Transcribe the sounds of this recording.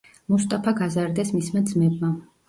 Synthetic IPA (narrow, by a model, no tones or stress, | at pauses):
must̪ʼapʰaɡazaɾd̪ɛsmismad̪zmɛbma